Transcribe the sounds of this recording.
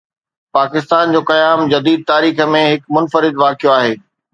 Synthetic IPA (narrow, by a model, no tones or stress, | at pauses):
paːkɪst̪aːnd͡ʑoːkɐjaːmd͡ʑɐd̪iːd̪̚t̪aːɾiːxə̆mẽɦɪkmʊnfəɾɪd̪ʋaːkʰijoaːɦeː